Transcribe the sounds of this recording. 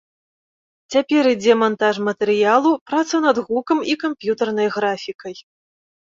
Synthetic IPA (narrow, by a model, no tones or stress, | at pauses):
t͡sʲapʲɛɾid͡zʲɛmant̪aʂmɐt̪ɛɾɨjalˠupɾat̪sɐnɐd̪ɣukɐmikampʲjut̪ɐrnɐjɣɾafʲikɐj